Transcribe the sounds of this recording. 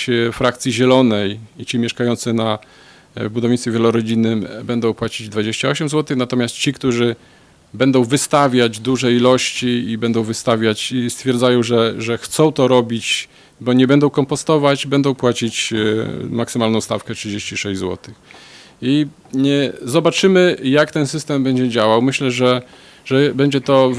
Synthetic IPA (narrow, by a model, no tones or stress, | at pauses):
fɾak̚t̪sʲjiʑɛlɔnɛjit͡ɕimʲjɛʂkajɔnt̪sɘna | bud̪ɔvɲisʲevʲjɛlɔɾɔd͡ʑinːɘmbɛnd̪ɔ̃w̃pwat͡ɕid͡ʑd̪vad͡ʑeɕt͡ɕaɔɕɛmzwɔt̪ɘxnat̪ɔmʲjast̪̚t͡ɕikt̪uʐɘ | bɛnd̪ɔ̃w̃vɘst̪avʲjad͡ʑd̪uʐɛjilɔɕt͡ɕiibɛnd̪ɔ̃w̃vɘst̪avʲjat͡ɕist̪fʲjɛɾd̪zajɔ̃w̃ʐɛʐɛxt̪sɔ̃w̃t̪ɔɾɔbʲit͡ɕ | bɔɲɛbɛnd̪ɔ̃w̃kɔmpɔst̪ɔvad͡ʑbɛnd̪ɔ̃w̃pwat͡ɕit͡ɕ | maksɘmalnɔ̃wst̪a̰fkɛtʂɨd͡ʑeɕt͡ɕiʂɛɕd͡ʑzwɔ̰t̪ɘx | i | zɔbat͡ʂɘmɘjakt̪ɛnsɘst̪ɛmbɛɲd͡ʑɛd͡ʑawawmɘɕlɛʐɛ | ʐɛbɛɲd͡ʑɛt̪ɔ